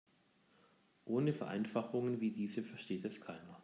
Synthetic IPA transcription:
ʔoːnəfɛɐʔa̰ɪnfaχʊŋənviːdiːzəfɛɐʃteːtɛskʰaɪnɐ

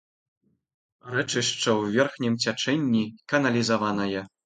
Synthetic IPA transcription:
rɛt͡ʂɨʂt͡ʂɐwvʲɛrxnʲimt͡sʲat͡ʂɛnʲːikɐnɐlʲizavanɐjɐ

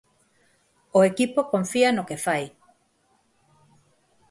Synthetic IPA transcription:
oekipokõɱfianokefaj

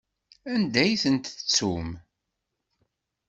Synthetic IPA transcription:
ænd̪æjθənt̪t͡sːum

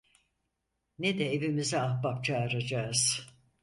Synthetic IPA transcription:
ned̪ɛevimizɛahbap̚t͡ʃʰaːɾad͡ʒaːɯz̥

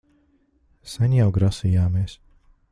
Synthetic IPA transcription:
saɲʲjawɡɾasijaːmeɛs

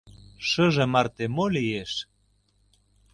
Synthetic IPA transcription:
ʃɤʒemɑrt̪emolieʃ

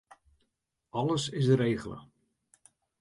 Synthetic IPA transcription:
ɑləsɪsəɾejːɣələ̰

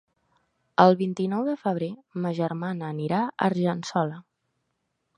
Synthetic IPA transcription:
əlˠβint̪inɔwðəfəβ̞ɾeməʒərmanəːniɾaə̰ɾʒənsɔlə

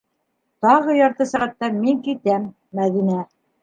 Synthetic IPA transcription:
t̪ɑʁɤjɑɾt̪ɤsæʁæt̪ːæmiŋkit̪æmː | æðinæ

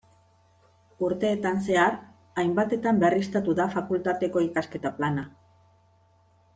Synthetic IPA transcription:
uɾt̪e̞ːt̪anse̞aɾ | ajmbat̪e̞t̪amberist̪at̪uðafakult̪at̪e̞ko̞ikaske̞t̪aplana

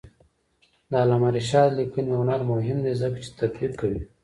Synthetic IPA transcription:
d̪aːlamaɾiʃɑːd̪likunjanaɾmʊɦɪmd̪ezəkt͡ʃi̥t̪akbikʰːawi

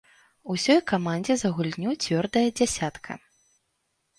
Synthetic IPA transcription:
usʲɔjkamanʲd͡zʲɛzɐɣulʲnʲut͡sʲvʲɔrd̪ɐjɐd͡zʲasʲat̪kʰɐ̰

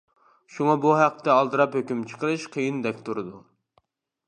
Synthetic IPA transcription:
ʃuŋɑbuɦæqːə̥t̪ɛɑlˠd̪ɨɾɑphøkʲymt͡ʃʰə̥qʰəɾɨʃqʰəjɨnd̪ɛkʲt̪ʰuɾɨd̪u

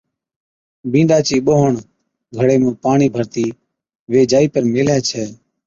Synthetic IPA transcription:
bĩːnɖaːt͡ʃiːɓoːɦəɳ | ɡʱəɽeːmẽːpaːɳiːbʱəɾt̪iː | ʋeːd͡ʒaːiːpəɾmeːlɛːt͡ʃʰɛː

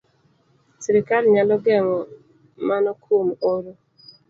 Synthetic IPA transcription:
siɾikalɲalɔɡɛŋɔ | manɔkʰomoɾo

